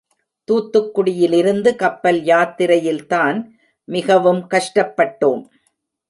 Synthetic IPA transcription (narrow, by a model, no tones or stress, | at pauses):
t̪uːt̪ːɯkːʊɽɪjɪlɪɾɯnd̪ɯkɐpːɐljaːt̪ːɪɾɐjɪlt̪aːn | mɪɣɐʋɯmkɐʂʈɐpːɐʈːoːm